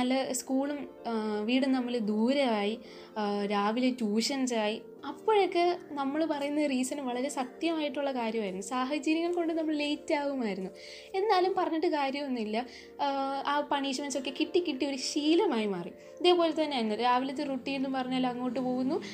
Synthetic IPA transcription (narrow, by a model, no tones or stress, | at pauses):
nɐlːɐskuːɭum | ʋiːɽumnɐmːɐɭd̪uːɾɐʋaːji | ɾaːʋilet͡ɕuːʂɐnsaːji | ɐpːoːɻokːenɐmːɐɭpɐrɐjunːɐðriːsɐnʋɐɭɐɾe̞sɐt̪jɐmaːjiʈːuɭːɐkaːɾjɐmaːjiɾunːusaːɦɐd͡ʑɐɾjɐŋːɐɭko̞ɳɖɨnɐmːɐɭlejitːaːʋumaːjiɾunːu | e̞nːaːlumpɐrɐɲːɐʈːɨkaːɾjɐmonːilːɐ | aːpɐɳiːɕɐmɐnso̞kːe̞kiʈːikʲːiʈːio̞ɾuɕiːlɐmaːjimaːrijumɐðe̞ːpo̞ːle̞t̪ːɐnːeaːjɾunːuɾaːʋilɐt̪ːeruʈːiːɳːumpɐrɐɲːaːlɐŋːo̞ːʈ̬ːɨpo̞ːɣunːu